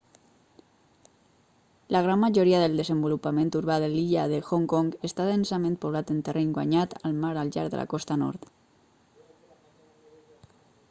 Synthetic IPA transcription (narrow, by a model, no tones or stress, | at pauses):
laɣ̞ɾammːaʒoɾiaðəld̪əzəmbulupamẽnt̪uɾβaðeliʎaðexoŋkɔŋɡəst̪aðensamẽnt̪̚poβ̞lat̪ənt̪əreŋɡwa̰ɲat̪almaɾalʎa̰ɾðə̰la̰kɔst̪anɔ̰ɾt̪